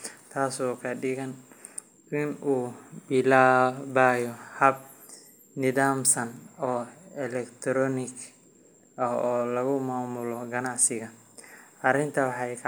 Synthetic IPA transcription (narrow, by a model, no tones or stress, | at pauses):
t̪ʰaːsɔːkʰɐɖɪɣɐn | ɪnuːbɪlaːβaːjɔhɐb̚ | nɪðaːmsɐnɔːɛlɛkt̪ʰɾɔːnɪk | ɐhɔːlɐɣʊmaːmʊlɔɡɐnɑʕsɪɣɐ | ʔɐrɪnt̪ʰɐwɑħɑjkʰ